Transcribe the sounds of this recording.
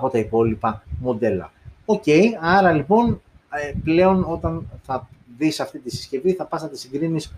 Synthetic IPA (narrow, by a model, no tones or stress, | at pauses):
ɐpo̞t̪ɐipo̞lipɐmo̞d̪e̞lɐ̰o̞ce̞jɐɾɐlipo̞n | eple̞o̞no̞t̪ɐnθɐðisɐft̪it̪isi̥sce̞viθɐpɐsnɐt̪isiŋɡɾinis